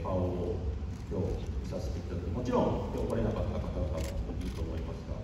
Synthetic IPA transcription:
pao | kʲo̞ːisaɕi̥t̪ekʲi̥t̪anoemo̞t͡ɕiɾõ̞ŋkʲoːkaɾe̞nakat̪ːakat̪anat̪atiɯt̪o̞ːmo̞imasɨ̥k̪a̰

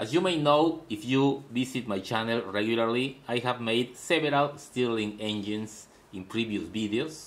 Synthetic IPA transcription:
ʔasjumejnowifjuvisit̪̚majt͡ʃanelɹeɡjulaɾliajhavmejd̪seveɾalst̪ilĩŋẽnd͡ʒĩns | ĩnpɾivjusviðeos

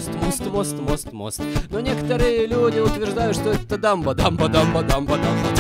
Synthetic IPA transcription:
st̪most̪most̪most̪mo̰st̪no̞nʲe̞kə̥t̪əɾɨjəlʲudʲɪʊt̪vʲɪrʐd̪ajʊt̪ʂt̪oɛt̪ːəd̪ɑmbəd̪ambəd̪ambəd̪ambad̪ambə

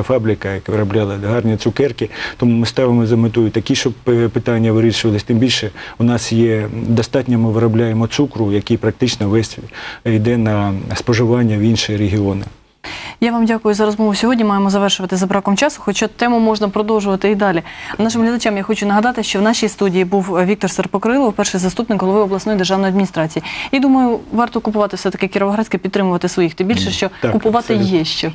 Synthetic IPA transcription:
fɑbɾʲɪkɐjɐkʋɪɾɐblʲɑlˠɐɦɑrnʲit̪sʊkɛrkɪt̪ɔmumɪst̪ɑʋɪmɔzɐmɪt̪ujʊt̪ɐkʲiʃɔbpɪt̪ɑnʲːɐʋɪɾʲiʃʊʋɐlˠɪsʲt̪ɪmbʲilʲʃɛʊnɑsjɛd̪ɐst̪ɑtʲnʲɐmɪʋɪɾɐblʲajemɔt̪sukɾʊjɐkijpɾɐk̚t̪ɪt͡ʃnɔʋɛsʲjd̪ɛnɐspɔʒɪʋɑnʲːɐʋinʃɪɾeɦʲiɔnɪ | jaʋɑmdʲakʊjʊzɐɾɔzmɔʋʊsʲɔɦɔdʲnʲimɑjemɔzɐʋɛrʃʊʋɐt̪ɪzɐbɾɑkɔmt͡ʃɑsʊ̥xɔt͡ʃat̪ɛmʊmɔʒnɐpɾɔd̪ɔwʒʊʋɐt̪ɪid̪ɑlʲinɑʃɪmɦlʲɐd̪ɐt͡ʃamjaxɔt͡ʃʊnɐɦɐd̪ɑt̪ɪʃt͡ʃɔwnɑʃʲijst̪udʲijibuwʋʲikt̪ɔrsɐrpɔkɾɪlˠɔwpɛrʃɪjzɐst̪upnɪkɦɔlˠɔʋɪɔblˠɐsɔjid̪erʒɑwnjɐd̪̚ʲmʲnʲist̪ɾɑt͡sʲijijid̪umɐjʊʋɑrt̪ɔkʊpʊʋɑt̪ɪwsɛt̪ɐ̥kɪkʲɪɾɔʋɔɦɾɑt͡sʲkɪpʲid̪ɾɪmʊʋɐt̪ɪsʋɔjixt̪ɪbʲilʲʃɛʃt͡ʃɔkʊpʊʋɑt̪ɪjɛʃt͡ʃɛ

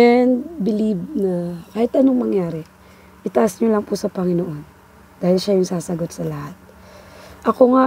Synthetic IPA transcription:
ɛnbɪlib̚nɐkaːhɪt̪ɐnoŋmɐŋjaːɾɛ | ʔɪt̪ɐʔasɲolɐŋpʊsɐpɐŋɪnoʔo̞n | d̪aːhɪlʃajʊŋsaːsɐɡo̞t̪̚sɐlɐhat̪̚ | ʔɐko̞ŋa

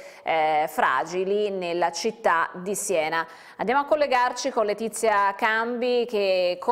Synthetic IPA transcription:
fɾa̰ːd͡ʒilinelːat͡ʃit̪ːad̪isjɛːna | ã̰nd̪jamoakːolːeɡart͡ʃikonlet̪it̪sːjakambik̟ekʰːo

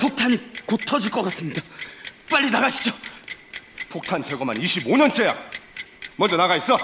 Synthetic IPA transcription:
pʰok̚tʰanikotʰʌd͡ʑiɭk͈ʌk͈as͈ɯmɲidap͈aʎʲːinaɡaɕʰid͡ʑo | pʰok̚tʰant͡ɕʰʌɡʌmaniɕʰiboɲʌnt͡ɕʰeja̰ | mʌnd͡ʑʌnaɣais͈ʌ

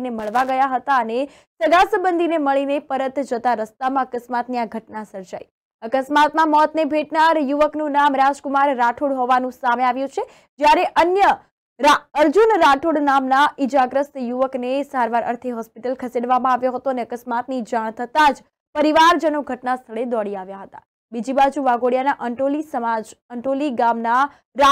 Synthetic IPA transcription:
neməɭʋaɡəjaɦət̪aəne | səɡasəbənd̪ʱineməɭinepəɾət̪d͡ʒət̪aɾəst̪amãəkəsmat̪niaɡʱəʈnasəɾd͡ʒai | əkəsmat̪mãmɔt̪nebʱeʈnaɾjuʋəknũnamɾad͡ʒkumaɾːaʈʰuɽɦɔʋanũsameaʋjũt͡ʃʰe | d͡ʒjaɾeʔənjə | ɾaəɾd͡ʒunɾaʈʰuɽnamnaid͡ʒaɡɾəst̪juʋəknesaɾʋaɾʔə̰ɾt̪ʰiɦɔspiʈəlkʰəseɖʋamãaʋjoɦət̪oəneəkəsmat̪nid͡ʒaɳ̃t̪ʰət̪ad͡ʒ | pəɾiʋaɾd͡ʒənoɡʱəʈnast̪ʰəɭed̪ɔɽiaʋjaɦət̪a | bid͡ʒibad͡ʒuʋaɡoɽijanaʔəolisəmad͡ʒəɳʈoliɡamna | ɾa

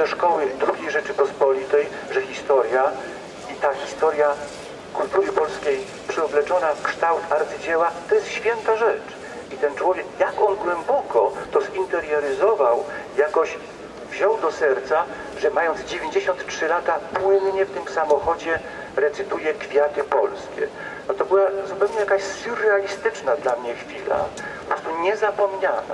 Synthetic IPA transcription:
d̪ɛʂkɔwɘd̪ɾuɡʲejʐɛt͡ʂɘpɔspɔlʲit̪ɛj | ʐɛxʲist̪ɔɾʲja | it̪axʲist̪ɔɾʲja | kult̪uɾɘpɔlskʲej | pʂɘɔblɛt͡ʂɔnakʂt̪awt̪aɾt̪sɘd͡ʑɛwat̪ɔjɛst̪ɕfʲjɛnt̪aʐɛt͡ʂ | it̪ɛnt͡ʂwɔvʲjɛkjakɔnɡwɛmbɔkɔt̪ɔzint̪ɛɾjɔɾɘzɔvawjakɔɕ | vʑɔwd̪ɔsɛɾt̪sa | ʐɛmajɔnd̪zd͡ʑevʲjeɲd͡ʑeɕɔnt̪tʂɘlat̪apwɘnɲɛft̪ɘmsamɔxɔd͡ʑɛ | ɾɛt̪sɘt̪ujɛkfʲjat̪ɘpɔ̰lskʲɛ̰ | nɔt̪ɔbɘwazupɛwɲɛjakaɕsuɾɛalʲist̪ɘt͡ʂnad̪lamɲɛxfʲila̰pɔpɾɔst̪uɲɛzapɔmɲa̰na̰

